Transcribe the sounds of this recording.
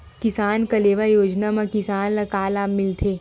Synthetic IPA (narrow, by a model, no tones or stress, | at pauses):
kɪsaːnkɐleːʋajoːd͡ʒnamãkɪsaːnlɐkaːlaːmɪlt̪ʰeː